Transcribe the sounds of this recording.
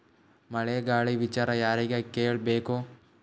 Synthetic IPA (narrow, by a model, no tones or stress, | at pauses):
mɐɭeːɡaːɭiʋit͡ʃaːɾajaːɾɐiɡakeːɭbeːko